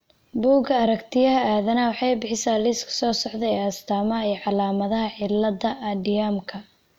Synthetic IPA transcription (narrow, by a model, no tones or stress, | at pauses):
buːɡɐɐɾɐkt̪ʰɪjɐɦɐaːðɐnɐwɑħɑjbɪħɪsaːlɪskʰɐ̥sɔːsɔʕd̪ɛɛːɐst̪ʰaːmɐɦɐiːʕɑlaːmɐðɐɦɐʕɪlːɐdɐʔɐdɪjamkʰɐ